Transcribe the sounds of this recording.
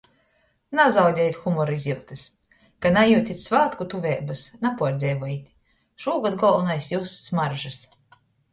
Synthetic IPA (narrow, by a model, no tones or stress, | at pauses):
nazawd̪ʲɛjt̪ʲxumɔɾizʲjiwt̪ɨs | kanajuwt̪ʲit̪ʲsvaːt̪kut̪uvʲɛːbɨsnapuɔɾd̪zʲɛːvɔjit̪ʲ | ʃuɔːɡad̪ɡɔlˠvunajsjussmaɾʒɨs